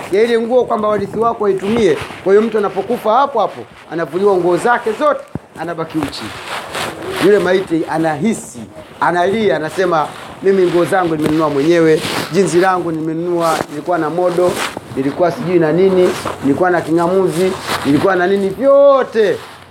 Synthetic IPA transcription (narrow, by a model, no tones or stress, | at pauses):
jailɛŋɡuɔkwambawaliθiwakɔaitumiɛkwahijɔm̩tuanapɔkufahapɔhapɔ̰ | a̰navuliwaŋɡuɔzakɛzɔtɛ̥anaɓakiut͡ʃḭ | julɛmaitianaɦisi | analiaːnasɛmamimiŋɡuɔzaŋɡunimɛnunuwamwɛɲɛwɛd͡ʒinsilaŋɡuniimɛnunuanilikuwanamɔɗɔnilikuwasiʄuinanininilikuwanakiŋamuzinilikuwananinivjɔtɛ